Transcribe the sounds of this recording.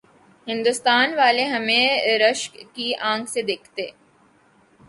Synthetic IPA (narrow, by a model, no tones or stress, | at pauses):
ɦɪ̃nd̪ʊst̪aːnʋaːleɦɐmẽɾəʃkkiãːŋkʰsed̪eːkʰt̪e